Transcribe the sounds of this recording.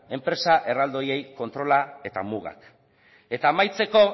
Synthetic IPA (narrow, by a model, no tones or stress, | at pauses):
e̞mpɾe̞saʔe̞rald̪o̞je̞jko̞nt̪ɾo̞lae̞t̪a̰muɣa̰k | e̞t̪aːmajt͡se̞ko̞